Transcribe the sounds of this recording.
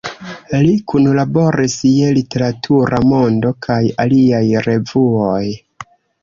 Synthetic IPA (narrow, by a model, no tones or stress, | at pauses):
likunlabo̞ɾisielite̞ɾatʰuɾamo̞ndo̞kʰajaliajɾe̞vuoj